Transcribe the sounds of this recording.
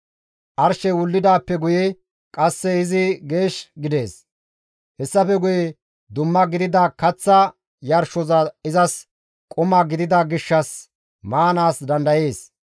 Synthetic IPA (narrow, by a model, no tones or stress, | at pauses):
ʔɐɾʃɛwʊlːɪd̪aːpːɛɡʊjɛ | kʼɐsːɛɪzɪɡe̞ːʃɡɪd̪e̞ːs | hɛsːɐfɛɡʊjɛ | d̪ʊmːɐɡɪd̪ɪd̪ɐkɐt͡sːɐ | jɐɾʃɔzɐɪzɐs | kʼʊmɐɡɪd̪ɪd̪ɐɡɪʃːɐs | maːnaːsd̪ɐnd̪ɐje̞ːs